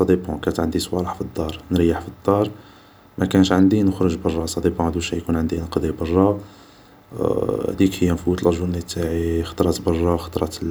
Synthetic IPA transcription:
sˤɑd̪ibɔ̰̃kænt̪ʕənd̪isˤwɑɾəħfid̪ˤːɑɾˤnɾjːaħfid̪ˤːɑɾˤ | mækænəʃʕənd̪inəxɾʊʒbɑrˤːɑsˤɑd̪ibũhd̪uʃæjkunʕənd̪inəqd̪ibɑrˤːɑ | hd̪ikhəjːænfut̪lʒunit̪ːaʕixɑ̥t̪ˤɾˤɑt̪bɑrˤːɑxɑ̥t̪ˤɾˤɑt̪

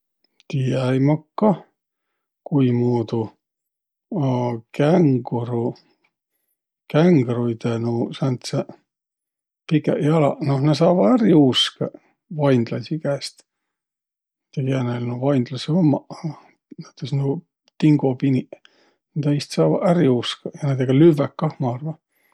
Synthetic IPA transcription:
t̪iæjmɑkːɑ | kuimuːd̪u | ɑkæŋɡɾu | kæŋɡrujt̪enusɑnt̪se | pikejɑlɑnohnes̬ɑːvɑæɾiuske | vɑjnd̪lɑsikæːst̪ | t̪eɡiænelnuvɑjnd̪lɑsiomːɑ | neyt̪ːˑesno | t̪iŋɡopini | nid̪eist̪sɑːvɑ̰æɾiuskɑjɑned̪eɡ̥ɑlyvækːɑhmɑɑrvɑ

